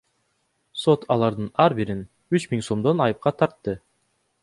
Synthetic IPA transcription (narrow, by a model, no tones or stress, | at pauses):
so̞t̪ʰɑlˠɑɾd̪ɯnɑɾbiɾin | yt͡ʃmiŋso̞md̪o̞nɑjɯp̚qɑt̪ʰɑɾt̪ːɯ